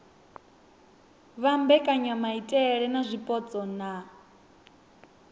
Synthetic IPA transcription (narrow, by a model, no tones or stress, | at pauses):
βambɛkʼaɲamaitʼɛɺɛnazʷipʼɔt͡sʼɔna